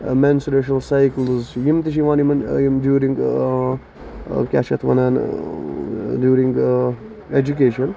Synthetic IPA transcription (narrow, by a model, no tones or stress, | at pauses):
mɛnsɾeʃ̬ɐlsajklzjimt̪iʃ̬iʋãːnimɐnmdjuːɾĩŋɡ | kʲa̰ʃɐt̪ʰʋɐ̰nan | djuːɾɪ̃ŋɡ | ed͡ʒukeːʃə̃n